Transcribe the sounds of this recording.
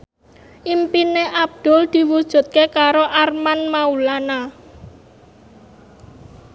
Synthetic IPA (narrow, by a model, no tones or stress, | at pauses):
ʔimpineʔab̚d̪̥ʊ̤ld̪̥i̤wud̥ʒ̥ṳt̪̚kekaɾoʔarmanmaulana